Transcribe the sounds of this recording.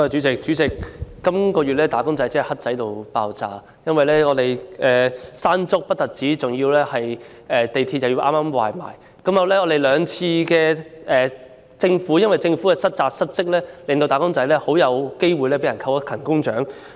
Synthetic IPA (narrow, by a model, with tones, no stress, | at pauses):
a˨˩t͡ʃyː˨˥t͡sɪ˨k̚t͡ʃy˨˥t͡sɪ˨k̚ːɐ˥mkɔː˧ɥyː˨t̚lɛː˥t̪aː˨˥kʊ˥ŋt͡sɐ˨˥jt͡sɪ˥ɐ˨˩hɐ˥t̚t͡sɐ˨˥jt̪o˨wpaː˨˧wt͡sa̰ː˧ | jɐ˥nwɐ˨jlɛː˥ŋɔː˨˧t̪e˨˩jʔɛː˨saː˥nt͡sʊ˥k̚pɐ˥t̚t̪ɐ˨t̚t͡siː˨˥t͡sʊ˨ŋjiː˧wlɛː˥hɐ˨j | ɛː˨t̪e˨jt̪ʰiː˧t̚t͡sɐ˨wji˧wʔaː˥maː˥mwa̰ː˨jma̰ː˨˩j | kɐ˨˥mjɐ˨wlɛː˥ŋɔː˨˧d̪e˨jlœː˨˧ŋt͡sʰiː˧kɛː˧ɛː˨˩ | t͡sɪ˧ŋfu˨˥jɐ˥nwɐ˨˩jt͡sɪ˧ŋfu˨˥kɛ˧sɐ˥t̚t͡saː˧t̚sɐ˥t̚t͡sɪ˥k̚lɛː˥lɪ˨ŋt̪o˧wt̪aː˨˧kʊ˥ŋt͡sɐ˨˥jlɛː˥ho˨˥wjɐ˨˧wke˥jwu˨jlɛː˥pe˨˥jɐ˨˩nkʰɐ˧wkʰɐ˨˩nkʊ˥ŋt͡ʃœː˨˥ŋ